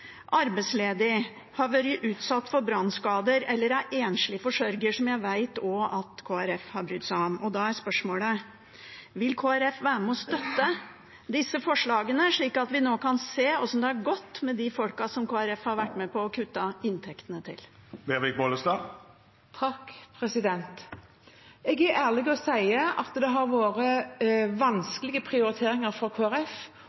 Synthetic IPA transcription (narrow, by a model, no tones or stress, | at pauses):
ʔɑɾbæɪsleːd̪ɪ | hɑɾʋæːɾɪʔʉːt̪sɑt̪ːfɔɾbɾɑnskɑːd̪əɾɛlːəɾæɾʔeːnʂlɪfɔʂœɾɡəʂɔmjæɪʋæɪt̪ɔɑt̪kʰoːæɾɛfhɑɾbɾʏt̪ːsæɪɑmɔd̪ɑæɾspœʂmoːlə | ʋɪlkʰoːæɾɛfʋæːɾəmɛɔst̪œt̪ːə | d̪ɪsːəfɔʂɭɑːɡənəʂɭiːkɑt̪ʋɪnoːkʰɑnseːɔsɔmd̪ɛæɾɡɔt̪ːmɛd̪ɪfɔlkɑsɔmkʰoːæɾɛfhɑɾʋæʈːmɛpɔːkʰʉt̪ːɑɪnt̪ʰɛkt̪ənət̪ʰɪ̰lbeːʁʋɪk̚boːləst̪ɑː | t̪ʰɑkːpʰɾɛsɪd̪ɛnt̪ | ɛɡæɾʔæːʁlɪɡɔsæɪəʔɑt̪d̪ɛɦɑɾʋoːɾəʋɑnskəlɪɡəpʰɾɪʊɾɪt̪ʰeːɾɪŋəɾfɔkʰoːæɾɛf